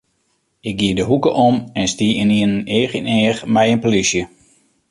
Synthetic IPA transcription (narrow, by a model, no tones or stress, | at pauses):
ɪk̚ɡiədəɦukəʔɔmɛnstiɪniənnɪːxineːxmɛjənpolisjə